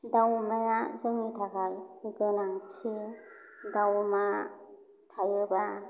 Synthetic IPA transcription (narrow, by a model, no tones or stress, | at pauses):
dawmajazɯŋitʰakʰajɡɯnaŋtʰi | dawma | tʰajɯba